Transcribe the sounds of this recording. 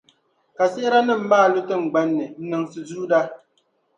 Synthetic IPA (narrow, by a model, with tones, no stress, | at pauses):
ka˨sɛ˦ɪ˦ɾa˦nɨ˦m̩˦maː˦˨lʊ˦tɨ˦m̩˨ɡ͡ba˦nːɨ˨n̩˦nɨ˨ŋsɨ˨zu˦da˦